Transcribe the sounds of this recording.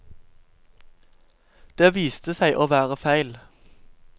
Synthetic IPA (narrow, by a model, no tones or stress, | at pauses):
d̪̥eːʋiːst̪əsæɪʔoːʋæːʁəfæɪl